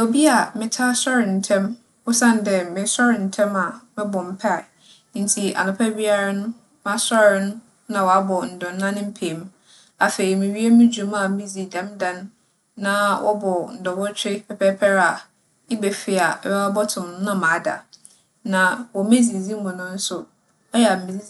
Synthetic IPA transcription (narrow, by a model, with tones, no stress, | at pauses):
o˨bi˦a˨mɪ̃˨tʰa˦sɔ˦ɾɪ˨n̩˨tʰɛ̃˦m | ʊ˦sã˦n˨dɛ˨mɪ̃˨sɔ˦ɾɪ˨n̩˨tʰɛ̃˦ma˨mɪ̃˦bɔ˨m̩˦pʰa˦˨ | nɪ̃˦n̩˦tʰi˨a̰˨nʊ̃˨pʰɛ˦bi˦a˦ɾa˦nʊ̃˦ | mã˦sɔ˦ɾɪ˨˦nʊ̃˦ | nã˨wɔ˨a˦bɔ˨n̩˨dɔ̃˨n̩ː˦ã˦nʊ̃˦m̩˦pʰẽ˨m˦ | a˨fe˨ɾi˨mĩ˨ɥi˦e˦mĩ˦d͡ʑu˨ma˨mĩ˦d͡zi˨dã˨˦mdã˨ñː˦ | ã˦wʔɔ̰˦bɔ˨n̩˨dɔ̃˨bɔ˦t͡ɕʰᶣɪ˦pʰɛ˨pʰɛ˦pʰɛ˦ɾa˨ | i˦be˨fi˨a˨wɛ˦a˦bɔ˦tʰʊ̃˨mn˦nã˦˨mã˨˦da̰˨ | nã˨wɔ˨me˦d͡zi˨zi˦mʊ̃˨nʊ̃˦n̩˦sʊ˦ | ɔ˦jɛ˨a˨m̩˨mĩ˨˦